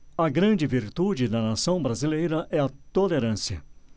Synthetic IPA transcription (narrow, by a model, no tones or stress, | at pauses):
ɐɡɾɐ̃d͡ʒɪviɾt̪ud͡ʒɪd̪ɐnasɐ̃w̃bɾazilejɾɐʔɛɐt̪oleɾɐ̃siɐ̰